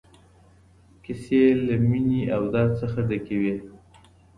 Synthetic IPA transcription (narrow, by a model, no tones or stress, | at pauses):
kɪselaminiawd̪ɑd̪səxad̪akawe